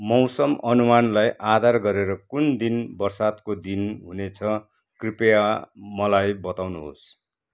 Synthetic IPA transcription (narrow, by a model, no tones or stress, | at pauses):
mʌwsʌmʌnumanlajʔad̪ʱarɡʌɾeɾʌkund̪inbʌrsat̪kod̪inɦunet͡sʰʌ | kripjamʌlajbʌt̪awnuɦo̰s